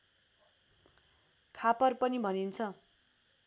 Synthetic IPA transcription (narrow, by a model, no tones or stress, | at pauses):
kʰapʌrpʌnibʱʌnint͡sʰʌ